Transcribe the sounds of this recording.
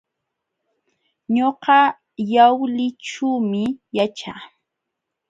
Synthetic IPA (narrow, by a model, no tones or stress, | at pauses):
ɲoqɑ | jawlɪʈ͡ʂumɪjat͡ʃa̰